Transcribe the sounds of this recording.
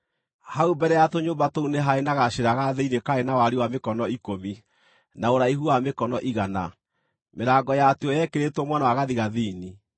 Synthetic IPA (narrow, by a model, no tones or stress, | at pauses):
haubɛɾɛjatoɲoːmbatouneɦaenaɣaʃeɾaɣaðeinekaenawaɾiwamekɔnɔikomi | naoɾaiɦuamekɔnɔʔiɣana̰ | meɾaɡɔjateɔjɛkeɾetwɔmwanawaɣaðiɣaðiːni